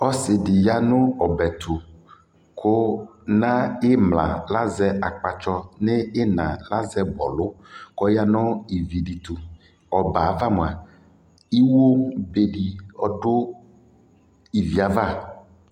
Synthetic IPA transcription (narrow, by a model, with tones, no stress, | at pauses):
ɔ˦sɪ˨ɖi˨ja˦nʊ̃˦ɔ˨bɛ˨t̪ʰu˨ | kʰo˦nã˦e˦mlã̰˨la˦zɛ˦a˨k͡pa˨t͡ʃɔ˦ne˦e˦nã˨la˦zɛ˦bɔ̰˨lʊ˦kɔ˦ja˦nɔ̃˦i˨vi˨ɖi˨t̪u˨ | ɔ˨ba˨va˦m˨a˨ | i˦wo˦be˦ɖi˨ɔ˦ɖʊ˦ | i˨vi˨a˨va˦˨